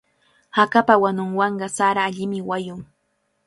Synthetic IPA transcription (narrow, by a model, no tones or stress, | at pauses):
hakapawanʊŋwɑɴɢɑsaɾaːʎɪmɪwajʊŋ